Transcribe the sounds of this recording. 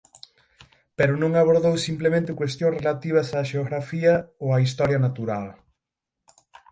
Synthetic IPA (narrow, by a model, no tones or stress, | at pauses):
peɾʊnõŋaβ̞oɾðowsimplemẽnt̪ɪkwest̪jõŋsrelat̪iβ̞ɐsaːʃeoɣɾafiɐoaist̪ɔɾjɐnat̪uɾal